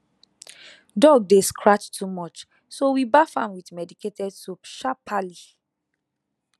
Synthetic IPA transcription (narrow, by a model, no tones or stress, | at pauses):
dɔɡ̚deskʰɹat͡ʃtʰumɔt͡ʃ | sowibafãmwidmɛdiketɛdsopʃapʰali